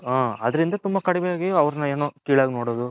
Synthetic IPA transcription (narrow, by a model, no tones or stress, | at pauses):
aːɐd̪ɐɾind̪ɐt̪umbɐkɐɽɛʋɛjaːɡiɐʋɾɐnɐeːnoːkiːɭaːɡinoːɽoːd̪u